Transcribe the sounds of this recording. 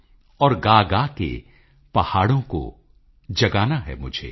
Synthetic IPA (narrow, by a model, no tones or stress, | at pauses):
ɔːɾɡaːɡakḛ | pɐhaːɽõko̰ | d͡ʒɐɡaːnaɦɛ̰mʊd͡ʒʱḛː